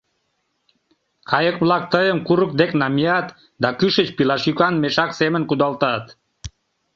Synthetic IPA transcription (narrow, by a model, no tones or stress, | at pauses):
kʰɑjəkβlɑk̚t̪əjəmkuɾək̚d̪eknɑmiɑt̪ | d̪ɑkyʃət͡ɕpilɑʃykɑnmeʃɑksemənkud̪ɑlt̪ɑt̪